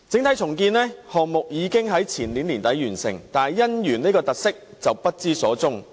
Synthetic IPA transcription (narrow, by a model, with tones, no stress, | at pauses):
t͡sɪ˨˥ŋt̪ʰɐ˨˥jt͡sʰʊ˨˩ŋkiː˧nlɛː˥hɔː˨ŋ̚mʊ˨k̚jiː˨˧kɪ˥ŋɦɐ˨˥jt͡sʰiː˨˩nliː˨˥nliː˨˩nt̪ɐ˨˥jɥyː˨˩nsɪ̰˨˩ŋt̪aː˨jːɐ˥njyː˨˩nni˥kɔː˧t̪ɐ˨k̚sɪ˥k̚t͡sɐ˨˩wpɐ˥t̚t͡siː˥sɔː˨˥t͡sʊ˥ŋ